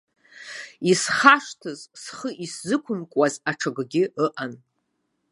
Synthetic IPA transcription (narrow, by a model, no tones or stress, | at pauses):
isχaʂtʰɨzsχəʔiszɨkʷʰʊmkʷʼwazaʈ͡ʂʰaɡɡʲɪəʔan